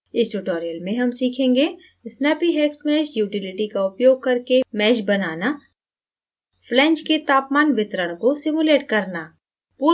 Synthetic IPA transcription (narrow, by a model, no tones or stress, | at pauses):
ɪsʈuʈɔːɾijəlmẽɦɐmsiːkʰẽːŋɡe | ɪsnapiɦɛːksmɛːʃjuːʈɪlɪʈikaʊpjoːɡ̚kɐɾkemɛːʃbɐnaːna | flɛ̃ːt͡ʃket̪aːpmaːnʋɪt̪ɾəɽ̃kosɪmuleːʈkɐɾna | puː